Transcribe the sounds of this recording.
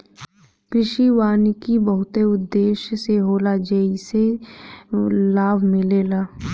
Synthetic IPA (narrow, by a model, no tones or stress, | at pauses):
pɪʃiʋaːnikibəɦʊt̪eʊd̪ːeːʃseɦoːlad͡ʒeise | laːbʱmɪleːlaː